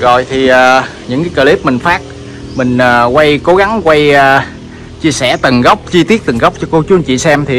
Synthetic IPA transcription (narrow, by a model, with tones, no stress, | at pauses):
ɣɔ̰˧˨jt̪ʰi˨˩ʔəː˨˩ɲɨ̰˧˥ŋkaː˨˦jkəː˧˩li˦˥p̚mï˨˩ŋ̟faː˦˥k̚ | mï˨˩ŋ̟ʔəː˨˩kwa˧jko˨˦ɣa˨˦ŋkwa˧jəː˨˩ | t͡ɕi˧əsɛ̰˧˩t̪ɨ˨˩ŋɣə˦˥wk͡p̚t͡ɕi˧t̪i˦˥ət̚t̪ɨ˨˩ŋɣa˦˥wk͡p̚t͡ɕɔ˧ko˧˦t͡ɕu˨˦nt͡ɕḭ˧˨sɛ˧mt̪ʰi˨˩